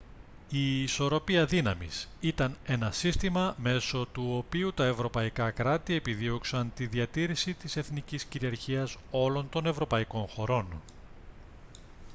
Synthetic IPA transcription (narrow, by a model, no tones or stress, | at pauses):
iːso̞ɾo̞piɐðinɐmḭsit̪ɐne̞nɐsist̪imɐme̞so̞t̪uopiut̪ɐe̞vɾo̞pɐikɐkɾɐt̪ie̞piðio̞ksɐnt̪iðiɐt̪iɾisit̪ise̞θnicisciɾiɐɾçiɐso̞lo̞nt̪o̞ne̞vɾo̞pɐiko̞nxo̞ɾo̞n